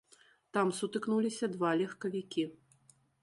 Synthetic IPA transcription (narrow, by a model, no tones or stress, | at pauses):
t̪amsut̪ɨknulʲisʲɐd̪valʲɛxkɐvʲikʲi